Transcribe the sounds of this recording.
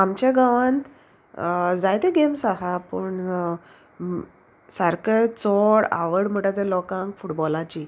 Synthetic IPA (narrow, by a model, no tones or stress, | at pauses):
amt͡ɕeɡaʋãnt̪ | d͡zajt̪eɡemsaɦapəɳ | səɾkəjt͡sɔɽa̰ʋəɽm̤əʈat̪elɔkãŋkfuʈbɔlat͡ɕiː